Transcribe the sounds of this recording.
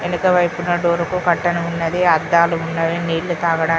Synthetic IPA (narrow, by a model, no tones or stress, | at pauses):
enukɐʋɐjpunːɐɖoːɾukukɐʈːɐnɐunːɐd̪iɐd̪ːaːluunːaːjiniːɽlut̪aːɡɐɽaː